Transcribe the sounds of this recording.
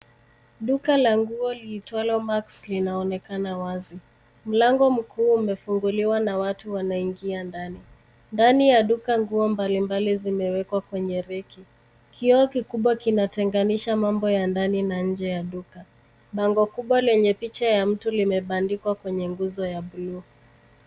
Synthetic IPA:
ɗukalaŋɡuɔliːtwalɔmakslinaɔnɛkanawazi | m̩laŋɡɔm̩kuːmɛfuŋɡuliwanawatuwanaiŋɡiandani | ndanijaɗukaŋɡuɔmbalimbalizimɛwɛkwakwɛɲɛɾɛki | kʰiɔkikuɓwakinatɛŋɡaniʃamambɔjandaninaɲ̩d͡ʒɛjaɗuka | ɓaŋɡɔkuɓwalɛɲɛpit͡ʃajam̩tulimɛɓandikwakwɛɲɛŋɡuzɔjaɓulu

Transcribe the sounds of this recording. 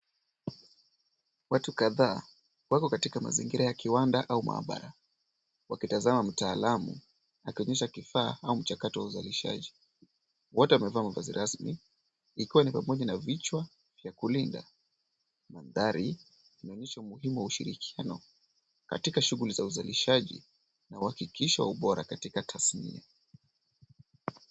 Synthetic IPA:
watukaðaː | wakɔkatikama̰zḭŋɡiɾajakiwandaʔauma̰ːɓa̰ɾa | wakitazamam̩taːlamṵ | akiɔɲɛʃakifaːaum̩t͡ʃakatɔwauza̰liʃa̰ʄi | wɔtɛamɛvaːmavazḭɾʔasmḭː | kiwanipamɔʄanavit͡ʃwa | vjakulinda̰ | manðaɾi | inaɔɲɛʃaumuɦimuwauʃḭɾḭkʰianɔ | ka̰tikaʃuɣulizauzaliʃaʄḭ | nauhakikʰiʃiwa̰uɓɔɾa̰katikatʰasnḭa

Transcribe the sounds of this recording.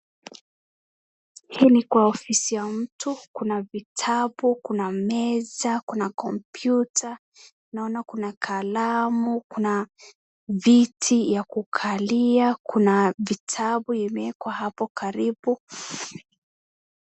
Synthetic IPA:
hiːnikwaɔfisijam̩tukunavitʰaɓukunamɛzakunakɔmpjuta | naɔnakunakʰalamukuna | vitʰijakukʰaliakunavitʰaɓuɛmɛkwahapɔkaɾiɓu

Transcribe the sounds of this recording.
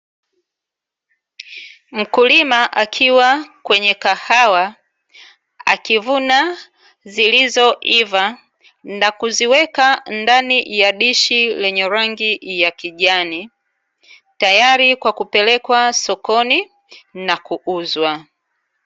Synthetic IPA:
m̩kulimaʔakʰiwakwɛɲɛkahawa | a̰kivuna | zilizɔʔiva | nakuziwɛkandanijaɗiʃilɛɲɛɾaŋɡijakiʄani | tajaɾikwakupɛlɛkwasɔkɔni | nakuʔuzwa

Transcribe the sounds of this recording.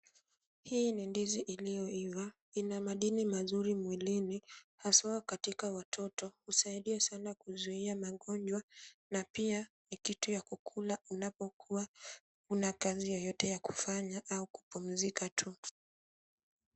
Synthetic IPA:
hiːnindiziʔilijɔiva | inamaɗinimazuɾimwilinihasaɔkatikawatʰɔtɔhusaiɗiɛsanakuzuiamaɠɔnd͡ʒwanapia | nikitujakukʰulaunapɔkʰuwa | unakazijɔjɔtɛjaku̥faɲaʔauku̥pum̩zikatʰu

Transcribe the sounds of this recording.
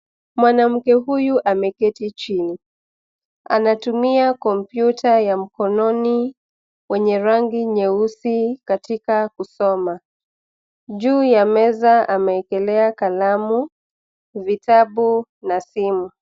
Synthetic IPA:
mwanam̩kɛɦujuʔamɛkɛtit͡ʃini | a̰natumiakɔm̩pjutʰajam̩kɔnɔni | wɛɲɛɾaŋɡiɲɛusikatikakusɔma | ʄuːjamɛzaamɛːkɛlɛakalamu | vitaɓu | nasimu

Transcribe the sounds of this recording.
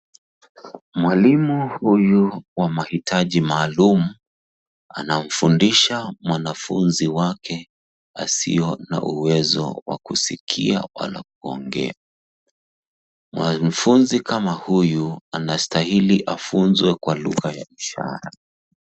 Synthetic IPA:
mwalimuhujuwamahitʰaʄimaːlumu | anam̩fundiʃamwanafṵnziwakʰɛ | asḭɔna̰ʔuwɛzɔ̰wa̰kusikʰḭa̰wa̰lak̚uɔŋɡɛ̰a | mwamfunzikamahujuanastahiliʔafunzwɛkwaluɣajaiʃa̰ɾa

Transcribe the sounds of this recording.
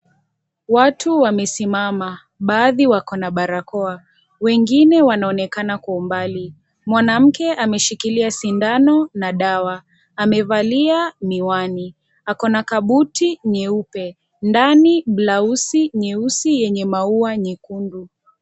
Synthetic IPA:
watʰuwamɛsimama | ɓaːðiwakɔnaɓaɾakɔa | wɛŋɡinɛwanaɔnɛkanakwaumbali | mwanam̩kɛʔamɛʃikiliasindanɔnaɗawaː | mɛvaliamiwani | akɔnakaɓutiɲɛupɛ | ndaniɓlausiɲɛusijɛɲɛmauaɲikundu

